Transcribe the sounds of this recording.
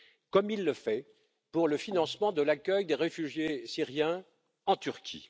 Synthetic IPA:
kɔmilːəfɛ | puʁləfinɑ̃smɑ̃d̪əlakʲœjd̪eʁefyʒjesiʁjɛ̃ | ɑ̃t̪yʁkʲʰḭ

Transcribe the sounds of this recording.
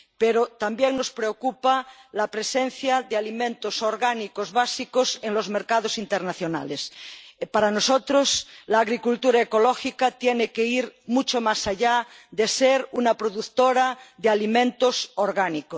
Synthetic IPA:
peɾot̪ambjeŋnospɾeokupalapɾesẽn̟θjaðealimẽnt̪osoɾɣanikozβasikoseŋlo̞zmeɾkað̞osint̪eɾnaθjona̰lespaɾanosot̪ɾoslaːɣɾikult̪uɾaekolɔxikat̪jenekeiɾmut͡ʃomasaʎaðeseɾunapɾoðukt̪oɾaðealimẽnt̪osoɾɣaniko

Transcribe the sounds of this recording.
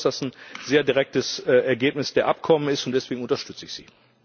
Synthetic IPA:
sd̥asn̩zeːɐdiʁɛk̚təsʔɛɐɡeːpnɪsd̥eːɐʔap̚kʰɔmənɪstʊntd̥ɛsv̥eːɡŋ̩ʊntɐʃtʏt͡səɪçz̥ḭː

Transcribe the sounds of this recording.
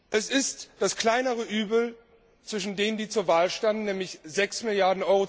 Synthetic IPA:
ʔɛsɪstd̥askl̥aɪnəʁəʔyːbl̩ | t͡sv̥ɪʃ̬n̩deːnəndiːt͡suːɐvaːlʃtandn̩nɛːmlɪçzɛksmɪljaɐdn̩ʔɔʏʁo

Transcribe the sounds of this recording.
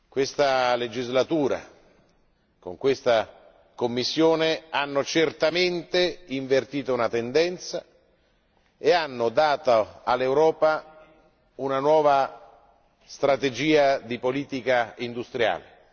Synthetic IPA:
kwest̪aled͡ʒizlat̪uːɾa̰ | ko̰ŋkwest̪a | komːisːjoːneanːot͡ʃert̪ament̪eiɱvert̪iːt̪ounat̪end̪ɛnt̪sa̰ | eanːod̪aːt̪aalːewɾɔːpa | unanwɔːva | st̪ɾat̪ed͡ʒiːad̪ipoliːt̪ikaind̪ust̪ɾja̰ːle

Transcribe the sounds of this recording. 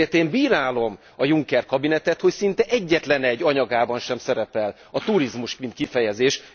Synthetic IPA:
eːt̪eːmbiːɾaːlo̞m | ɒjuŋkɛrkɒbinɛt̪ɛt̪ho̞csint̪ɛʔɛɟːɛt̪lɛnɛɟːɒɲɒɡaːbɒnʃɛmsɛɾɛpɛl | ɒt̪uɾizmuʃmint̪kifɛjɛzeːʃ

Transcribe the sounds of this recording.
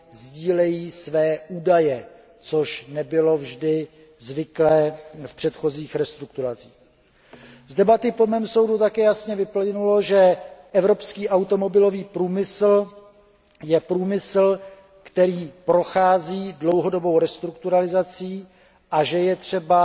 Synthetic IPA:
zɟiːlɛjiːsvɛːʔuːdajɛ | t͡soʃnɛbɪlo̞vʒdɪ | zvɪklɛːfpr̝̥ɛt̪xo̞ziːxɾɛst̪ɾuk̚t̪uɾat͡siːx | zdɛbat̪ɪpomɛːmso̞wdut̪akɛːjasɲɛvɪplɪnulo̞ʒɛʔɛvɾo̞pskiːʔawt̪o̞mo̞bɪlo̞viːpɾuːmɪsl̩ | jɛpɾuːmɪsl̩ | kt̪ɛɾiːpɾo̞xaːziːdlo̞wɦo̞do̞bo̞wɾɛst̪ɾuk̚t̪uɾalɪzat͡siː | ʔaʒɛjɛt̪r̝̥ɛba

